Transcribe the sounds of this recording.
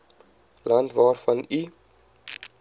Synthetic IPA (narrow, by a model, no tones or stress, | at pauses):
lɐntvɑːrfɐni